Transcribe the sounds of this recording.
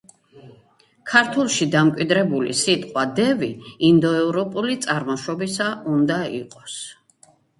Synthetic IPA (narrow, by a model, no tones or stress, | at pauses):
kʰaɾt̪ʰulˠʃid̪amkʼwid̪ɾɛbulḭsit̪ʼqʼwad̪ɛviind̪ɔɛvɾɔpʼulit̪sʼaɾmɔʃɔbisaund̪aḭqʼɔs